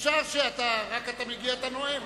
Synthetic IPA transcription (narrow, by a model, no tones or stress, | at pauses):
sasiat̪aɾakat̪amiɡiat̪anoem